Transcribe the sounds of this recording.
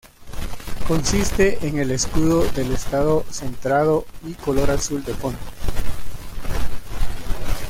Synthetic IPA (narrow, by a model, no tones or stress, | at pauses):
ko̞nsist̪e̞ʔeŋe̞leskuðoðe̞lest̪aðo̞se̞nt̪ɾaðo̞iko̞lo̞ɾasuld̪e̞font̪o